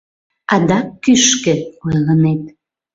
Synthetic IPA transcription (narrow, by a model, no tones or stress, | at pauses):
ɑd̪ɑkːyʃkə̆ojlənet̪̚